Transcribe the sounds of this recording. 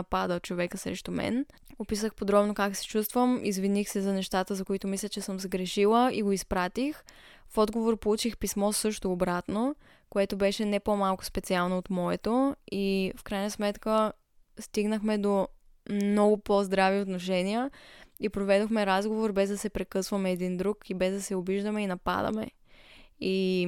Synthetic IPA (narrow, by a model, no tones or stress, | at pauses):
pad̪ət͡ʃovɛkəsɾɛ̰ʃt̪omɛ̰n | opisəxpod̪ɾɔbnokaksɛ̥t͡ʃust̪vəmḭzvinixsɛzɐnɛʃt̪at̪əzɐkoit̪omislʲət͡ʃɛsəmsəɡɾɛʃilˠəʔiɡoispɾat̪ix | fɔd̪ɡovoɾpolˠut͡ʃixpismɔsɤʃt̪oːbɾat̪no | koɛt̪obɛʃɛnɛpomalˠkʊ̥spɛt̪sialˠnoːt̪mɔɛt̪oifkɾajnəsmɛt̪kə | st̪iɡnəxmɛd̪o | mnɔɡʊpozd̪ɾaviot̪noʃɛnijəipɾovɛd̪oxmɛɾazɡovoɾbɛzd̪ɐsɛpɾɛkɤsvɐmɛːd̪ind̪ɾukibɛzd̪ɐsɛobiʒd̪əmɛinɐpa̰d̪ə̰mɛ̰ | i